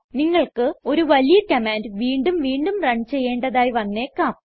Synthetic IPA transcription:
niŋːɐɭkɨo̞ɾuʋɐlijɐkɐmaːndʋiːɳɖumʋiːɳɖumrɐɳt͡ɕe̞jːe̞ːɳɖɐðaːjiʋɐnːe̞ːkːaːm

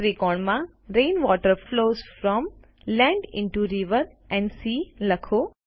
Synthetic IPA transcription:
ɾikɔɳmã | ɾẽːnʋɔːʈəɾfloːzfɾɔm | lɛ̃ɳɖɪ̰̃ɳʈuɾiʋəɾ | ʔɛ̃ɳɖsiːləkʰo

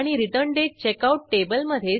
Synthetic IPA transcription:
ɽ̃iɾiʈəɳɖet͡ɕekauʈ̚ʈebəlməd̪ʱje

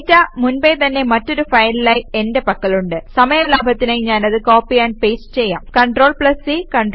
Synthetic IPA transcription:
tːamunbejt̪ɐnːe̞mɐtːo̞ɾufɐjlilaːjie̞nde̞pɐkːɐɭuɳɖɨsɐmɐjɐlaːbʱɐt̪ːinejɲaːnɐðɨkoːpːijaːnpeːst͡ɕejːaːmkɐɳʈro̞ːɭpɭɐsikɐɳɖr

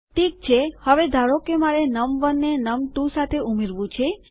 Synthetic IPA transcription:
ʈik̚t͡ʃʰehəʋed̪ʱaɾokemaɾenəmʋənːenəmʈũsat̪ʰeʔumeɾʋũt͡ʃʰe

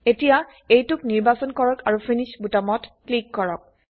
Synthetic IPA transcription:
etija | ejtʊkniɹbasɔnkɔɹɔkaɹupʰinisbutamɔtklikːɔɹɔk̚

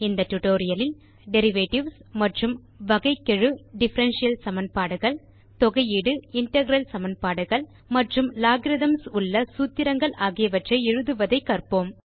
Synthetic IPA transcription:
ɪnd̪ɐʈːʊʈoːɾɪjɐlɪl | ɖɛɾɪʋeːʈɪʋsmɐʈrɯm | ʋɐɣɐɪkːɛɻɯɖɪfɐɾɐnʂɪjɐlsɐmɐnpaːɽɯɣɐɭ | t̪ɔɣɐjiːɽɯɪɳʈɛɣɾɐlsɐmɐnpaːɽɯɣɐɭ | mɐʈrɯmlaːɡɾɪðɐmsʊɭːɐsuːt̪ːɪɾɐŋɡɐɭʔaːɣɪjɐʋɐʈrɐɪɛɻɯðɯʋɐðɐɪkːɐrpoːm

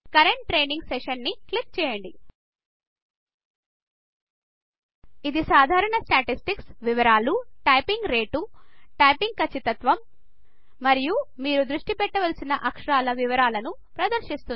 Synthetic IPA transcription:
kɐɾeɳʈʈɾeːjniŋɡsɛʃɐnːiklik̚t͡ʃɛːjɐɳɖi | id̪isaːd̪ʱaːɾɐɳɐsʈaːʈisʈiksʋiʋɐɾaːluʈɐjpiŋɡɾe̞ːʈuʈɐjpiŋɡ̚kɐt͡ʃːit̪ɐt̪ʋɐmː | ɐɾijumiːɾud̪ɾuʂʈipɛʈːɐʋɐlɐsinɐʔɐkʂɐɾaːlɐʋiʋɐɾaːlɐnu | pɾɐd̪ɐɾʃist̪un

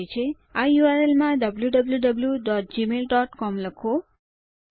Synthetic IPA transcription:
jt͡ʃʰe | ajuʋaɾelmãɖəbljuɖəbljuɖəbljuɖɔʈ̚d͡ʒimelɖɔʈkɔmləkʰo

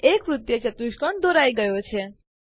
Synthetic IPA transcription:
ekʋɾut̪jət͡ʃət̪uʃkəɳd̪ʱoɾajɡəjot͡ʃʰe

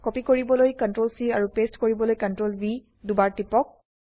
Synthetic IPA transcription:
kɔpikoɹibɔlojkɔntɹolsiaɹupestkoɹibɔlojkəntɹolbi | dubaɹtipɔk̚

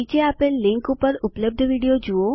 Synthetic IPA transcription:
it͡ʃeaːpẽlɪ̃ŋkupəɾʊpləb̚d̪ʱʋiːɽijod͡ʒuo

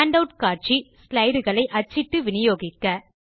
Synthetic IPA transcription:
aːɳɖɐʊʈkaːʈ̚t͡ʃislɐɪɽɯɣɐɭɐɪʔɐt͡ʃːɪʈːɯʋɪnɪjoːɣɪkːɐ

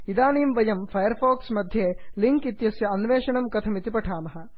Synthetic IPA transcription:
id̪aːniːmʋɐjɐmpʰɐjɐɾpʰoːksmɐd̪ʱjeːliŋkit̪jɐsjɐɐnʋeːʃɐɳɐmkɐt̪ʰɐmit̪ipɐʈʰaːmɐɦɐ̆

